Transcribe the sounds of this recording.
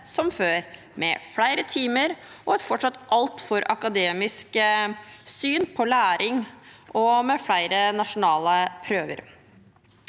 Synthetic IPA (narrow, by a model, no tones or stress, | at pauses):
sɔmføːɾ | mɛ̰fɽæɪɾət̪ʰiːməɾ | ʔɔɛt̪fɔʈʂɑt̪ːʔɑlt̪fɔɾʔɑkɑd̪eːmɪsk | syːnpʰɔlæːɾɪŋʔɔmɛfɽæɪɾənɑʂʊnɑːləpʰɾøːʋə̰ɾ